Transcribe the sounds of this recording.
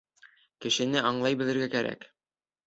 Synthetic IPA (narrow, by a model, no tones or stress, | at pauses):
kɘ̆ʃɘ̆nɘɒɴlˠɑjbɘ̆lɘ̆ɾɡækæɾæ̰k